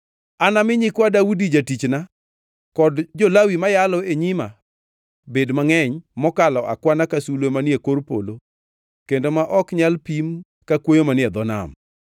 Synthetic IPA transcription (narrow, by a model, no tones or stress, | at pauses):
anamɪɲɪkwadaudid͡ʒatit͡ʃna | kɔdd͡ʒolawimajalɔeɲima | bedmaŋɛɲmɔkalɔʔa̰kwanakasulwemanjekorpo̰lo | kendomaʔɔkɲalpim | kakwojomanɪɛd̪ɔna̰m